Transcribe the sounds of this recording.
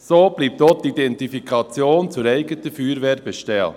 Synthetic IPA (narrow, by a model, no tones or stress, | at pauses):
soːb̥liːp̚t̪otidɛntifikʰɑt͡sjoːnt͡sʊɾɛɪɡət̪əfyːɾʋɛːɾbɛʃtɛl